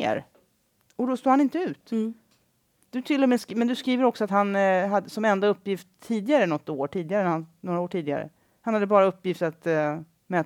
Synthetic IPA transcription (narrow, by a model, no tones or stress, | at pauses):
ɾ | ɔd̪ɔst̪uːhanɪnt̪əʉ̟ːt̪ | d̪̥ɵt̪ʰɪlːɔmeːskmɛnd̪ɵskɾiːvəɾɔksɔat̪hanɦad̪ːəsɔmɛnd̪aɵpːjɪft̪ʰːiːd̪ɪɡaɾənɔt̪ːoːʈʰiːd̪ɪɡaɾənɾhannoːɾaoːʈʰiːd̪ɪɡa̰ɾə̰ | hanhad̪ːəbɑːɾaɵpːjɪft̪at̪ | mɛː